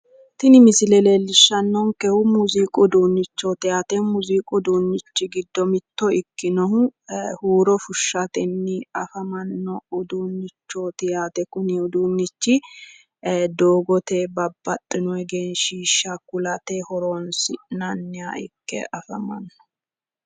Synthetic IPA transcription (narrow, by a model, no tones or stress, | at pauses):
t̪ɪnɪmɪsɪlɛleːlːɪʃːɐnːɔŋkɛhʊmʊziːkʼʊd̪uːnːɪt͡ʃːoːt̪ɪjaːt̪ɛmʊziːkʼʊd̪uːnːɪt͡ʃːɪɡɪd̪ːɔmɪt̪ːɔɪkːɪnɔhʊhuːɾɔfʊʃːɐt̪ɛnːɪɐfɐmɐnːɔʊd̪uːnːɪt͡ʃːoːt̪ɪjaːt̪ɛkʊnɪʊd̪uːnːɪt͡ʃːɪ | d̪oːɡɔt̪eːbɐbːɐt̪ʼːɪnɔɛɡeːnʃiːʃakʊlɐt̪ehɔɾoːnsɪnɐnːɪjaɪ̰kːɛ̰ʔɐfɐmɐ̰nːɔ̥